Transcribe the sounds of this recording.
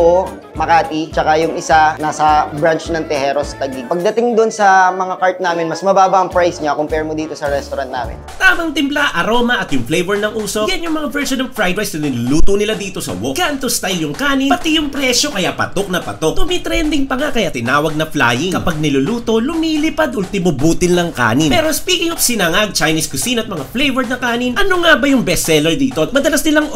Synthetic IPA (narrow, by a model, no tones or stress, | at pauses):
o | mɐkaːt̪it͡ʃɐkajʊŋɪsanaːsɐbɾant͡ʃnɐŋt̪ɛhɛːɾost̪ɐɡiɡ̚pɐɡ̚d̪ɐt̪ɪŋd̪onsɐmɐŋakaɹt̪̚naːmɪnmɐsmɐbaːbɐɐŋpɹajsɲakompɛɹmod̪iːt̪osɐɾɛst̪oɾant̪na̰ːmɪ̰nt̪aːmɐŋt̪ɪmplaʔɐɾo̞mɐʔɐt̪jʊŋflejvɛɹnɐŋʔuːso̞ɡanjʊŋmɐŋavɛɹʃonvfɹajd̪ajsnɐnɪlʊluːt̪onɪlad̪iːt̪o̞sɐ̰woɡ̥aʔnt̪ost̪ajljʊŋkaːnɪpɐt̪ijʊŋpɾɛo̞kɐjapɐ̰t̪ok̚nɐpɐ̰t̪ok̚t̪ʊmit̪ɾɛnd̪ɪŋpɐŋakɐjat̪ɪnaːwɐɡ̚nɐfla̰ːjɪŋkɐpaɡ̚nɪlʊluːt̪o̞lʊmiːlɪpad̪ʔʊlt̪ɪmobuːt̪ɪnlɐŋka̰ːnɪnpɛɾospiːkɪŋofsɪnaŋaɡ̚t͡ʃajniskʊsinɐt̪̚mɐŋaflejvɛɹnɐkaːnɪnʔɐnoŋabɐjʊŋbɛsɛlɛɹd̪iːt̪omɐd̪ɐlasnɪlaŋ